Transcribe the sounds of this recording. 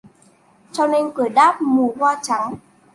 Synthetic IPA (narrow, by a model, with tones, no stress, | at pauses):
t͡ɕɔ˧wne˧nkɨ˨˩əɗaː˦˥p̚mu˨˩hwaː˧t͡ɕa˨˦ŋ